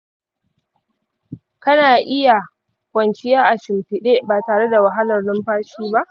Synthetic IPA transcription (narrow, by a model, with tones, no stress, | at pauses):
kɐ˦naː˨ʔɪ˦ja˨ | kʷɐ˨nt͡ʃɪ˦jaː˦ʔa˨ʃɪ˨mtɪ˨ɗeː˦baː˨taː˨ɽe˦da˨wa˨ɦa˦lɐ˨rdʊ˦mɸaː˦ʃiː˦ba˦ʔ